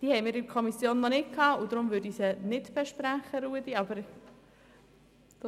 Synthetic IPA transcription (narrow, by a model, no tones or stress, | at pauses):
d̥iːhɛɪmɪːɾɪkʰɔmisjoːnːɔnɪtkʰɑːʊd̪ɾʊmvøːɾdiːsənɪtb̥ɛʃpɾæχəɾuːəd̥iɑbəɾ | d̥